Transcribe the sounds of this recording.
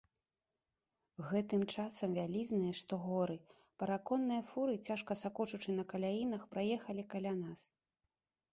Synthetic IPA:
ɣɛt̪ɨmt͡ʂasɐmvʲalʲiznɨjɐʂt̪ɔɣɔɾɨ | pɐɾakɔnːɨjɐfuɾɨt͡sʲaʂkɐsakɔt͡ʂut͡ʂɨnɐkɐlʲajinɐxpɾajɛxɐlʲikalʲanas

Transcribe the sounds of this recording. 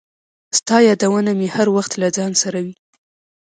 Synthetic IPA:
st̪ɑjɑd̪awənamehaɾwaxt̪lad͡zɑnsaɾawi

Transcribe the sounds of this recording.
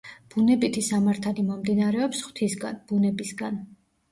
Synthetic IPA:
b̥unɛbit̪ʰisamaɾt̪ʰalimɔmd̪inaɾɛɔpsχw̥t̪ʰisɡa̰nb̥unɛbisɡan

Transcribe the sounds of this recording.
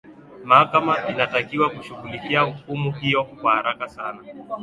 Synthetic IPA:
mahakamainatakiwakuʃuɣulikiaukumuhijɔkwahaɾakasana

